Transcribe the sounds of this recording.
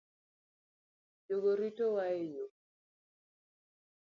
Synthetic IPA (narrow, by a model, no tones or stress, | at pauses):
d͡ʒoɡoɾitowaejo